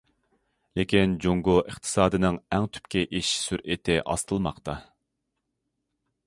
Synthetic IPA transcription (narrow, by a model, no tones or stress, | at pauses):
lekʲind͡ʒoŋɡʊʔəχt̪ʰɨ̥sɑːd̪ɨnɪŋæŋt̪ʰy̥pkʲɛʔiʃsyɾʔet̪ʰɪʔɑ̰st̪ʰɨlˠmɑqt̪ɑ